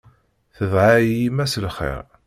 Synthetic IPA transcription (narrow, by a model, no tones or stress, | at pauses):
θəðʕajimæsəlχḛɾ